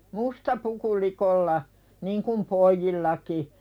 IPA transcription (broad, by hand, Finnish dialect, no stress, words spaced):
mustɑ puku likolːɑ niŋkum poijːilːɑki